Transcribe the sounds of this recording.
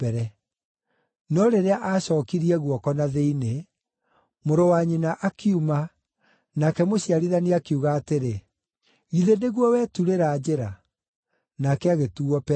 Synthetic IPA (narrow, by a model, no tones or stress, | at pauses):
pɛɾɛ | nɔɾeɾeaʔaɕɔːkiɾiɛɣwɔkɔnaðeine | moɾowaɲinaʔakʰiuma | nakɛmoɕiaɾiðaniakiuɣaːteɾe | ɣiðeneɣwɔwɛːtuɾeɾad͡ʑeɾa | nakɛaɣetuɔpɛ